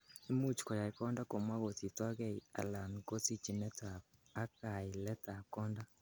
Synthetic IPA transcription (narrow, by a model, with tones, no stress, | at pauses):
e˦mu˦t͡ʃi̥kɔ˨ja˨ikɔ˦nda˦ko˨mwa˦ɣo˨ti˨twa˦ɣɛ˦i˨a̰˨la˨nko˦si˦t͡ʃi˨nɛ˦taː˨˦ka˨i˨lɛ˦ta˨kɔː˦nda˦